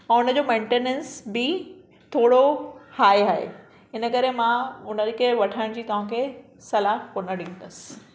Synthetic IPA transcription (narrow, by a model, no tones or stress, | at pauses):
ɛ̃ʊnəd͡ʑoːmẽːɳʈenẽnsbɪ | t̪ʰoːɽohaːiɦaːɦḛ | ɪnəkɐɾemãʊnəkʰeʋɐʈʰaːɪɽ̃d͡ʑiːt̪ɐʋ̤ãkʰe | sɐlaːɦkoːnəɽĩːnd̪əsɪ̥